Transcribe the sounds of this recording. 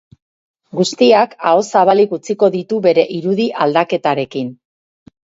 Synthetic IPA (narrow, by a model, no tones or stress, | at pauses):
ɡust̪iakao̞saβalikut͡siko̞ðit̪uβe̞ɾe̞ʔiɾuðiʔald̪ake̞t̪aɾe̞kin